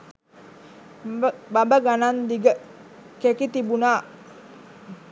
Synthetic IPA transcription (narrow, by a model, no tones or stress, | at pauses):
bambəɡanand̪iɡə | kekit̪ibunaʔ